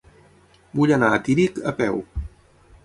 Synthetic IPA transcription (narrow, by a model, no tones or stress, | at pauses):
buʎənaːt̪iɾikəpɛw